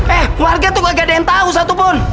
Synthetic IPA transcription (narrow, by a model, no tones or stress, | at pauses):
ɛhkwarɡat̪ukaɡadɛɛnt̪aus̬at̪upɔn